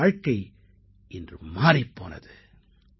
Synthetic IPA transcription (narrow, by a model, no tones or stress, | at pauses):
ɻkːɐɪ | ɪndrɯ̰maːɾipːo̰ːnɐ̰ðɯ